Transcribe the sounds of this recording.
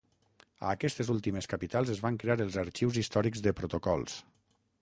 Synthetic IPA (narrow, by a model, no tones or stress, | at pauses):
ə̰ːkɛst̪ezulˠt̪imeskapit̪alˠzəzβaŋkɾeaɾəlˠzəɾt͡ʃiwzist̪ɔɾikzðəpɾot̪okɔlˠs